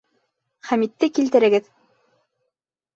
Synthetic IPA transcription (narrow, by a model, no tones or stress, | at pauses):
χæmit̪ːɘkilt̪ɘ̆ɾɘ̆ɡɘð